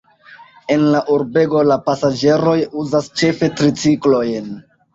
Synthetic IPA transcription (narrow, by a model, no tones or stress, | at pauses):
e̞nlaʔuɾbe̞ɡo̞lapasad͡ʒe̞ɾo̞juzast͡ʃe̞fe̞tɾit͡siklo̞jn